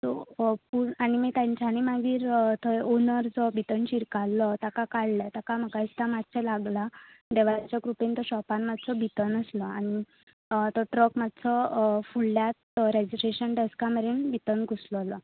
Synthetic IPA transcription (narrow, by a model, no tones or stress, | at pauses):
t̪ɔpuañimit̪jãɲt͡ɕanimaɡiːɾt̪ɔonəɾd͡zɔbʱit̪ənt͡ɕiɾkalːɔt̪akakaɽlət̪akaməkaist̪amad͡z̚t͡ɕʰɛlaɡla | d̪eʋajt͡ɕjakɾupent̪ɔɕɔpanmad̪t͡sɔbʱit̪ənəslɔañi | t̪ɔʈɾəkmad̪t͡sɔfuɭljat̪ɾed͡ʑiʈeɕənɖeskaməɾinbʱit̪ənkuslɔlɔ